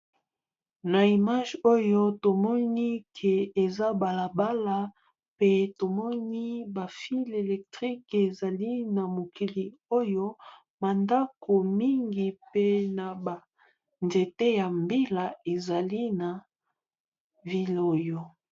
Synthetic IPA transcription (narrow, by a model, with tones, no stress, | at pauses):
na˨i˨ma˦ʒo˦jo˦to˨mɔ˦ni˦kʰe˨e˨za˦ba˨la˨ba˦la˨ | pe˦to˨mɔ˦ni˦ba˨fi˦le˨lɛ˨k̚tʁi˦ke˨za˨li˦na˨mo˨ki˨li˨o˦jo˦ | ma˨nda˦kʰo˨mi˦ŋɡi˨pe˦na˨ba˨ | nze˨te˦ja˨mbi˦la˨e˨za˨li˦na˨ | vi˨lo˨jo˨